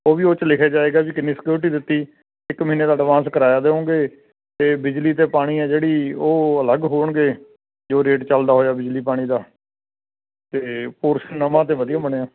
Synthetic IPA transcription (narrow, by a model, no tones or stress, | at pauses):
oːʋiːoːt͡ʃəlɪkʰaːd͡ʒaːeːɡaːbiːkɪniːsɪ̥kjuːɾʈ̬iːd̪ɪt̪ːiː | ɪkməɦiːneːd̪aːəɖʋãːskəɾaːjaːd̪eːɦõːɡeː | t̪eːbɪd͡ʒliːt̪eːpaːɽ̃iːɛːd͡ʒeːɽiːoːələɡɦoːɳɡeː | d͡ʒoːɾeːʈt͡ʃəld̪aːɦoːjaːbɪd͡ʒliːpaːɽ̃iːd̪aː | t̪eːpoːɾʃənːəmãːt̪eːʋəd̪ijaːbəɽ̃eːaː